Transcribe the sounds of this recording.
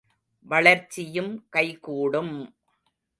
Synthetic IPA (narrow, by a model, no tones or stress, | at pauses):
ʋɐɭɐɾt͡ʃːɪjɯmkɐɪkuːɽɯm